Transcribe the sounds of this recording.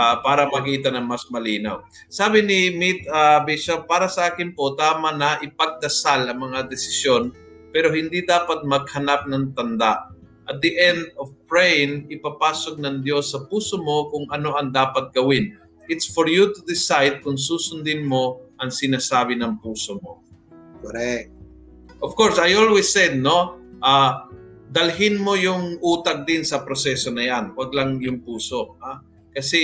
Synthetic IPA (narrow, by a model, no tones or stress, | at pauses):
apaːɾɐmɐkiːt̪ɐnɐŋmɐsmɐliːna̰w | saːbɪnɪmit̪̚abɪʃapaːɾɐsɐʔaːkɪnpot̪aːmanɐʔɪpɐɡ̚d̪ɐsalɐŋmɐŋad̪ɪsɪ̥sjo̞n | pɛːɾo̞hɪnd̪id̪aːpɐt̪̚mɐɡ̚hɐnap̚nɐŋt̪ɐnd̪aʔ | ʔɐt̪̚d̪iʔɛnd̪̚ovpɹɛjnɪpapaːsoɡ̚nɐŋd̪jo̞sːɐpuːsomo̞kʊŋʔɐno̞ʔɐŋd̪aːpɐt̪̚ɡ̥ɐwɪn | ʔɪt̪sfoɹjut̪ʊd̪ɪsajd̪̚kʊŋsuːsʊnd̪ɪnmo̞ʔɐŋsɪnasaːbɪnɐŋpuːsomo | koɾɛk̪̚ | ʔofkoɹsajolwisːɛd̪̚no̞ʔa | d̪ɐlɦɪnmo̞jʊŋʔuːt̪ɐk̚d̪ɪnsɐpɾosɛːso̞nɐjanwɐɡlaŋjʊŋpuːsoa | kɐsɛ